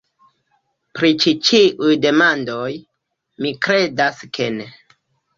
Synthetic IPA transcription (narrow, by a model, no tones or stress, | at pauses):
pɾit͡ʃit͡ʃiʔujde̞mando̞j | mikɾe̞daskʰe̞ne